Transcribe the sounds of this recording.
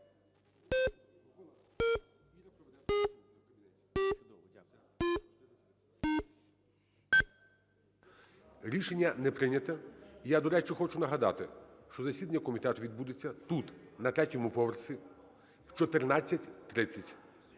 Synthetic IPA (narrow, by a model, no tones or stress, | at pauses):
ɾʲiʃenʲːɐnɛpɾɪnʲɐt̪ɛijad̪ɔɾɛt͡ʃɪxɔt͡ʃʊnɐɦɐd̪ɑ̰t̪ɪʃt͡ʃɔzɐsʲid̪ɐnʲːɐkɔmʲit̪ɛt̪ʊʋʲid̪bud̪et͡sʲːɐt̪ut̪nɐt̪ɾʲɛtʲɔmʊpɔʋersʲi | wt͡ʃɔt̪ernat͡sʲːɐtʲt̪ɾɪt͡sʲːɐtʲ